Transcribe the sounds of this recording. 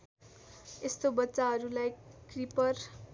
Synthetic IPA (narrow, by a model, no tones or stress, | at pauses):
est̪obʌtːsaɦʌɾulajkripʌr